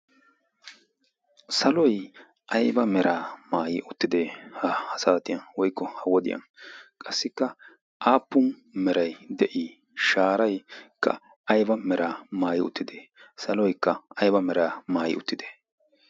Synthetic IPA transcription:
sɐlɔj | ʔɐjbɐmɛɾaːmaːjɪʊt̪ːɪd̪eːhɐhɐsaːt̪ɪjɐnwɔjkːɔhɐwɔd̪ɪ̰jɐ̰nkʼɐsːɪkːɐ | ʔaːpːʊn | mɛɾɐjd̪ɛʔiː | ʃaːɾɐjkʰːɐ̰ | ɐjbɐmɛɾaːmaːjɪʊ̰t̪ːɪd̪eːsɐlɔjkːɐɐjbɐmɛɾaːmaːjɪ̰ʊt̪ːɪd̪eː

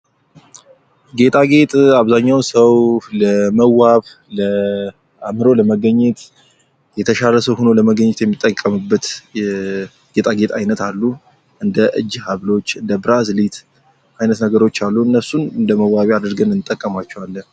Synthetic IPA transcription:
ɡe̞t̪ʼaɡe̞t̪ʼaβzaɲːawnsəwləməwaβ | lə | amɨɾo̞ləməɡəɲːɛt̪ | jɛt̪ʰəʃaləsəwhuno̞ləməɡəɲːt̪jɛmːit̪ʼːəkʼːəmɨbːət̪jɛ | ɡ̥e̞t̪ʼaɡe̞t̪ʼajnət̪alːu | ʔɨnd̪əʔɨ̰d͡ʒːhaβlo̞t͡ʃːɨnd̪əbɨɾazlit̪ | ʔajnət̪nəɡəɾo̞t͡ʃːalːuɨnːəsunɨnd̪əməwːaβiad̪ɨɾɡənɨnt̪ʼːəkʼːəmat͡ʃːɛwalːə

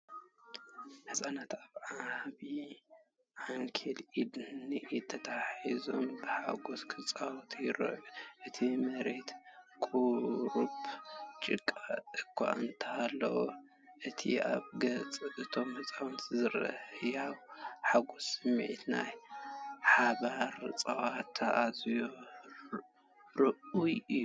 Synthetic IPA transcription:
ħɨsʼanat̪aβʕaβi | ʕaŋkʰelid̪nit̪ʰɐt̪ʰaħizo̞mbɨħa̰ɡoskʰɨt͡sʼawt̪ʰjɪɾɐ̰ʔuʔɨt̪ʰimɐɾe̞t̪kʼuɾubt͡ʃʼɨkʼːaɨkʰʷːa̰ʔɨnt̪ʰɐhalːɐ̰wo | ʔɨt̪ʰḭa̰βɡɐt͡sʼɨβɨt̪ʰo̞mhɨt͡sʼawnɨzɨɾɐ̰jawħaɡosɨmːʕit̪na̰j | ħaβaɾt͡sʼɐwat̪ʰːɐʔazjo | ɾɨʔujɨjːu

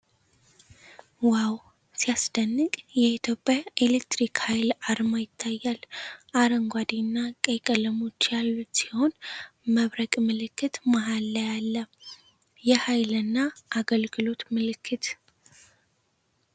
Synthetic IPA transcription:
waw | sijasd̪ənːɨkʼjɛit̪ʰjo̞pʼjae̞lek̚t̪ɾikhajlaɾmajɪt̪ʰːajːalʔaɾəŋɡʷad̪inːakʼəkʼələmo̞t͡ʃːjalːut̪siho̞nməβɾəkʼmɨlɨkːɨt̪maɦalːəjalːə | jɛhajlɨnːaʔaɡəlɡɨlo̞t̪mɨlɨkʰːɨt̪

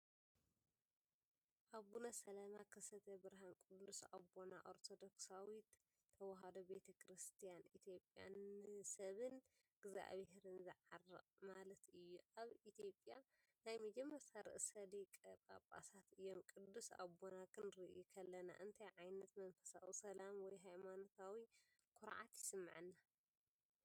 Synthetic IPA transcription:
ʔaβɡunɐsɐlamakʰɐsɐt̪ʰɐbɨɾɦankʼɨd̪ːusa̰βona̰ʔo̞ɾt̪ʰo̞d̪o̞ksawit̪ʰː | ɐwɐɦad̪obe̞t̪ʰɐkʰɾɨst̪ʰijanit̪ʰijo̞pʼja̰nsɐβɨn | ɡ̥za̰ʔβheɾɨnzɨʕarːɨ̰qʼmalɐt̪ɨjːuʔaβit̪ʰjo̞pʼja | najmɐd͡ʒɛmːɐɾsʰaɾɨ̰ʔsɐlikʼɐpʼa̰pʼa̰sat̪ɨjːomkʼɨd̪ːusa̰bo̞nakʰɨnɾɨʔukʰɐlːɐna̰ʔɨnt̪ʰajʕajnɐt̪mɐnfɐ̥sa̰ʔusɐlamwɔjɦajmanot̪ʰawikʰʼʊɾʕa̰t̪jɪsɨmːʕɨnːa

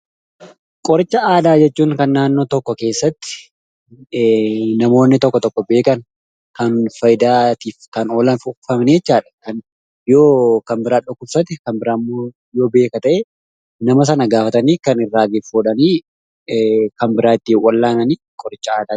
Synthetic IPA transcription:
kʼɔɾɪt͡ʃːɐʔaːd̪aːd͡ʒɛt͡ʃːuːŋkɐnːaːnːoːt̪ɔkːɔke̞ːsːɐt̪ːɪ̥ | nɐmo̞ːnːɪt̪ɔkːɔt̪ɔkːɔbe̞ːkɐn | kɐnfɐjɪd̪aːt̪iːfkɐnoːlɐnfʊfɐmniɛt͡ʃːaːᶑɐ̥kɐn | joːkɐmbɪɾaːɗʊkːʊbsɐt̪ɪkɐmbɪɾaːmːoː | jo̞ːbe̞ːkɐt̪ɐʔɛ | nɐmɐs̬ɐnɐɡaːfɐt̪ɐniːkɐnɪrːaːɡɪfoːᶑɐniː | kɐmbɪɾaːt̪ːiːwɐlːaːnɐniːkʼɔɾɪt͡ʃːɐaːd̪aː

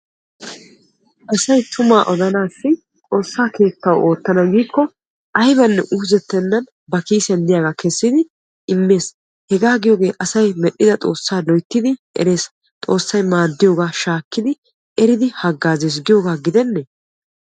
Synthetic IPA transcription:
ʔɐsɐjt̪ʰʊmaːʔɔd̪ɐnaːsːɪ | t̪ʼo̞ːsːaːke̞ːkːɐwo̞ːt̪ːɐnɐɡiːkːɔ | ʔɐjbɐnːɛ̰ʔuːzɛt̪ːɛnːɐn | bɐkiːsɛnd̪ɪjaːɡaːkɛsːɪd̪ɪ | ɪmːe̞ːs | hɛɡaːɡɪjoːɡe̞ːʔɐsɐjmɛɗːɪd̪ɐt̪ʼo̞ːsːaːlɔjt̪ːɪd̪ɪʔɛ̰ɾe̞ːs | t̪ʼo̞ːsːɐjmaːd̪ːɪjoːɡaːʃaːkːɪd̪ɪ | ɛɾɪd̪ɪhɐɡːaːzeːs̬ɡɪjoːɡaːɡɪd̪ɛnːɛ

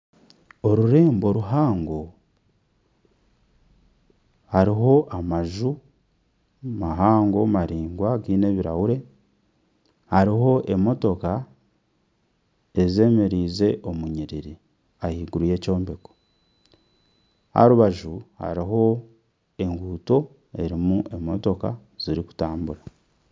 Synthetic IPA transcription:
o̞ɾuɾe̞ːmbo̞ɾuɦaːŋɡo̞ | haɾiɦo̞ʔamaʒu | maɦaːŋɡo̞maɾiːŋɡwaɡiːne̞βiɾawuɾe̞ | haɾiɦo̞ʔe̞mo̞to̞ka | e̞ze̞ːmeɾiːze̞ʔo̞muɲiɾiɾi | ahiːɡuɾuje̞ːco̞ːmbeko̥ | ha̰ɾuβaʒuha̰ɾiɦo̞ | e̞ŋɡuːto̞ | e̞ɾimuʔe̞mo̞to̞ka̰ | z̥iɾiku̥taːmbuɾa

